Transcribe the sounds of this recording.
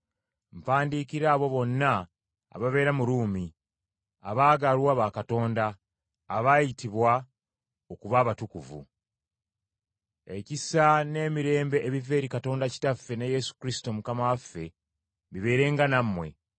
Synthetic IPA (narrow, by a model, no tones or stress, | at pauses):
ɱpaːndiːkiɾaːβo̞βo̞nːa̰ː | βaβe̞ːɾamuɾuːmi | a̰βaːɡalwaβakato̞ːndaː | βajitiβwa | o̞kuβaːβatukuvṵ | e̞cisane̞ːmiɾe̞ːmbe̞ʔːβive̞ːɾikato̞ːndaci̥tafːe̞neje̞su̥kɾisi̥to̞mukamawafːe̞ | βiβe̞ːɾe̞ːŋɡanamːwe̞̰